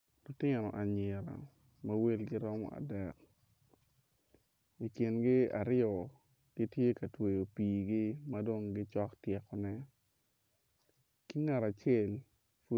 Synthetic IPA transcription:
lʊ˨tɪ˦nɔ˨ʔa˨ɲɪ˨ɾa̰˨ | mawe˦lɡɪ˦ɾɔ˦mɔ̰˦a̰˨dɛ˨k | i˨kɪ˨nɡɪ˦a̰˨ɾɪɔ˨ | ɡ̥i˦tje˦ka˨twe˨jo˨piː˨ɡɪ˦ma˦do˦ŋɡɪ˦t͡ʃɔ˦ktjɛ˨kɔ˨nɛ˦ | ki˦ŋa˨ɾa˨t͡ʃje˦˨l | fu˦

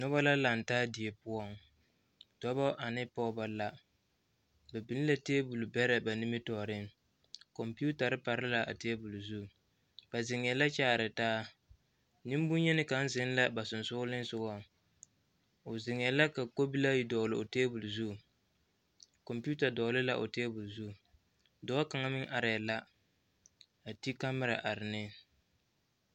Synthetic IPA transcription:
nɔ˦ba˦la˦la˨n˨taː˦dɪ˨e˨pʊ˦ɔ˦ŋ | d̥ɔ˦bɔ˦ʔa˨nɪ˦pɔ˦ba˦la˦ | ba˨bi˨n˦la˦teː˦bu˨lbɛ˦ɾɛ˨ba˨ni˦mɪ˦tɔ˨ɾɪ˦ŋ | kɔ˨mpi˦u˦ta˨ɾɪ˦pa˨ɾɪ˦la˨ʔa̰˨teː˦bu˨lzu˦˨ | b̥a˨zɪ˨ŋ˨ɛ˨la˦t͡ʃaː˦˨ɾɪ˨taː˦ | nɪ˦m˦bʊ˦ɲɛ˦nɪ˦ka˨˦n˦zɪ˨˦n˦la˦ba˨sʊ˨n˨sʊ˦lɪ˦n˦sʊ˨ɡɔ˦ | ʊ˨zɪ˨ŋ˨ɛ˨la˦ka˨ko˦bi˦la˦ji˦dɔː˨lɪ˨o˨teː˦bʊ˨lzu˦˨ | kɔ˨mpi˦u˦ta˨dɔ˨˦lɪ˦la̰˨ʔo̰˨teː˦bʊ˨lzu˦˨ | dɔ˨˦a˦ka˨ŋa˦mɪ˦ŋʔa˨ɾɛ˨la˦ | a˨ti˦ka˦mɪ˦ɾa˨ʔa˨ɾɪ˨nɪ˦

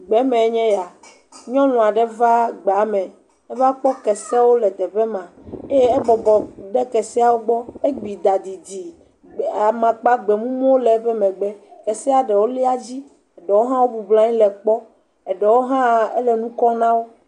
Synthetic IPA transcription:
ɡ͡bɛ˦mɛ̃˨˦ɲɛ̃˦ja˨ | ɲɔ̃˦nɔ̃˨a˨ɖɛ˦va˦ɡ͡bɛ˨a˨˦mɛ̃˨ | ɛ˦va˦k͡pɔ˦kɛ˨sɛ˦wo˦lɛ˨d̪ɛ˨ɸɛ˦mã˨e˦je˦ɛ˦bɔ˨bɔ˨ɖɛ˦kɛ˨sɛ˦a˨wo˦ɡ͡bɔ˦e˦ɡ͡bi˨d̪a˨d̪i˨di˨ | a˨mã˨k͡pa˦ɡ͡bɛ˨mũ˦mɔ̃˦wo˦lɛ˨˦ɸɛ˦mɛ̃˨ɡ͡bɛ˦kɛ˨sɛ˦a˨ɖɛ˨wo˦li˦a˦d͡ʑi˦ | ɛ˨ɖɛ˨wo˦ɦã˦wo˦bu˨blã˦ɲĩ˦lɛ˨k͡pɔ˦ | ɛ˨ɖɛ˨wo˦ɦã˦e˦lɛ˨nũ˦kɔ˦nã˦wo˦

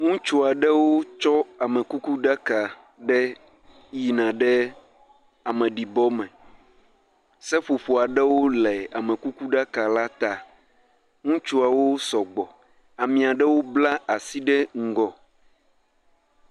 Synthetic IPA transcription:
ŋũ˦t͡ʃu˦a˨ɖɛ˦wo˦t͡ʃɔ˦a˨mɛ̃˨ku˦ku˦ɖa˦ka˨ | ɖɛ˦ | ji˨nã˨ɖɛ˦ | a˨mɛ̃˨ɖi˨bɔ˦mɛ̃˨ | sɛ˦ɸo˨ɸo˨a˨ɖɛ˦wo˦lɛ˨a˨mɛ̃˨ku˦ku˦ɖa˦ka˨la˦t̪a˨ | ŋũ˦t͡ʃu˦a˨wo˦sɔ˨ɡ͡bɔ˨ | a˨mĩ˨a˨ɖɛ˦wo˦bla˦a˨si˦ɖɛ˦ŋ̩˦ɡɔ˨

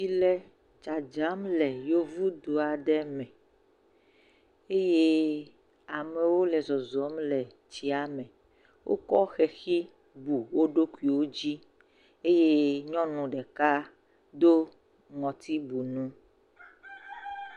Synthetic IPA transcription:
i˨lɛ˦ | t͡ʃa˨d͡ʒa˨˦mlɛ˨jo˦vu˦d̪o˨a˨ɖɛ˦mɛ̃˨ | e˦je˦ | a˨mɛ̃˨wo˦lɛ˨zɔ˨zɔ˨˦mlɛ˨ | t͡ʃi˨a˨mɛ̃˨ | wʔo̰˦kɔ˦xɛ˨xi˦ | bu˨wo˦ɖo˦ku˦i˨wo˦d͡ʑi˦ | e˦je˦ɲɔ̃˦nũ˨ɖɛ˨ka˦ | d̪o˦ | ŋɔ̃˨t̪i˦bu˨nũ˦

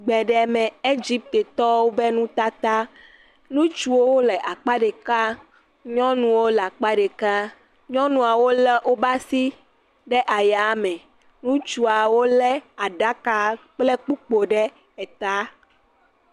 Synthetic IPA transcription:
ɡ͡bɛ˨ɖɛ˨mɛ̃˨e˦d͡ʑi˦p̚t̪e˨t̪ɔ˦wo˦bɛ˦nũ˦t̪a˦t̪a˦ | nũ˦t͡ʃu˦wo˦wo˦lɛ˨ʔa˨k͡pa˦ɖe˨ka˦ | ɲɔ̃˦nũ˦˨wo˦la˨k͡pa˦ɖe˨ka˦ | ɲɔ̃˦nũ˨a˨wo˦lɛ˦ʔo˦ba˦si˦ | ɖɛ˦ʔa˨ja˨˦mɛ̃˨ | nũ˦t͡ʃu˨a˨wo˦lɛ˦a˨ɖa˦ka˨k͡plɛ˦k͡pu˦k͡po˨ɖɛ˦ | ɛ˨t̪a˦

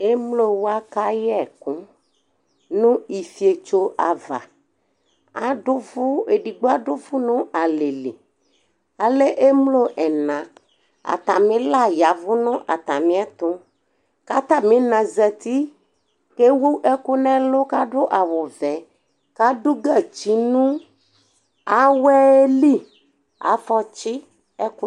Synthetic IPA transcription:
e˦mlo˦wo˦a˦ka˦jɛ˨kũ˦ | nũ˦i˨fi˨e˨t͡ʃo˦ʔa˨va̰˨ | a˨ɖʊ˦vu˦e˨ɖi˨ɡ͡bo˦a˦ɖʊ˦vu˦nũ˦ʔa˨le˨le˨ | a˨le˦ʔe˦mlo˦ʔɛ˨nã˨ | a̰˨t̪ã˨mĩ˦la˦˨ja˨vʊ˦nɔ̃˦ʔa̰˨t̪ã˨mĩ˦a˦t̪ʊ˦ | ka˦t̪a˦mĩ˨˦nã˨zɛ˨t̪i˦ | ke˦wu˦ʔɛ˦ku˦nɛ̃˦lo˦ka˦ɖʊ˦ʔa˨wo˨vɛ˨ | ka˦ɖu˦ɡa˦˨t͡ʃi˨nũ˦ | a˨˦wɛ˦li˦ | a̰˨fɔ˦t͡ɕi˦ | ɛ˦ku˦

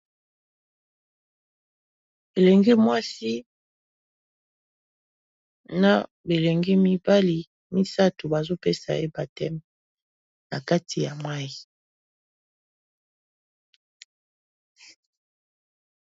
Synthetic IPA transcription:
e˨lɛ˨ŋɡi˦mwa˦si˦ | na˦ | be˨le˨ŋɡi˦mi˦ba˦li˨ | mi˦sa˦tu˨ba˨zo˦pe˦sa˨e˦ba˨tɛ˦mɛ˨ | na˨ka˦tʰi˨ja˨mwa˦ji˨

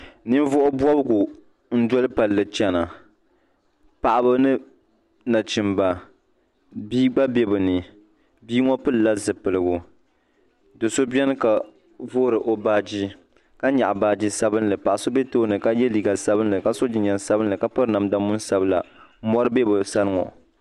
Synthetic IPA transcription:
nɨ˦n˦vʊ˦ʔʊ˦bwɔ˦bɨ˦ɡʊ˨ | n̩˦dɔ˦lɨ˦pa˨lːɨ˨t͡ʃɛ˨na˨ | pa˨ʔa˨bɨ˦nɨ˦ | na˨t͡ʃi˨mba˨ | biː˦ɡ͡ba˦bɛ˦bɨ˨nɨ˨ | biː˦ŋɔ˦pɨ˦lɨ˨la˦zɨ˨pɨ˨lɨ˨ɡʊ˨ | dɨ˨so˦bi˦ɛ˦n˦ka˨ | vo˦ɾɨ˨ʔo˨baː˦d͡ʒi˦ | ka˦ɲa˨ʔbaː˨˦d͡ʒi˦sa˦bɨ˦nlɨ˨pa˨ʔa˨so˦bɛ˦toː˦nɨ˨ka˦jɛ˦liː˨ɡa˨sa˦bɨ˦n˦lɨ˨ka˦so˦d͡ʒi˨ɲɛ˨nsa˦bɨ˦nlɨ˨ka˦pɨ˦ɾna˨mda˦mʊ˦n˦sa˦bɨ˦la̰˨mɔ˦ɾɨ˦bɛ˦bɨ˨sa˦lɨ˦ŋɔ̰˨

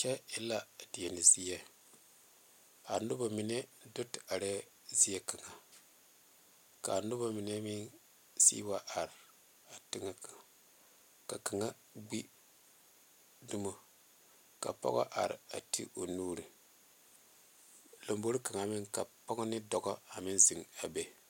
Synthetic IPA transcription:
t͡ʃɛ˦ɪ˦la˦di˨ɛ˨ni˨zi˦jɛ˦ | a˨nu˦ba˨mi˨˦ne˦do˦ta˨ɾe˦ | zi˦jɛ˦ka˨ŋa˨ | ka˨nu˦ba˨mi˨ne˦mi˦n | sḭ˦wa˦ʔa˨ɾ | a˨ti˦ŋa˨ka˨ | ka˨ka˨ŋa˦ | ɡ͡bi˦ | du˦mo˦ | ka̰˨pɔ̰˦ɣɔ̰˦ʔa˨ɾ̰a̰˨tʰḭ˦ʔo˨nuː˦ɾi˨ | lo˨mbo˦ɾi˦ka˨ŋa˨˦mɪ˦ŋka˨pɔ˦ɡɔ˦nɪ˦dɔ˨ɡɔ˦a˨mi˦nzi˨ŋa˨be˦

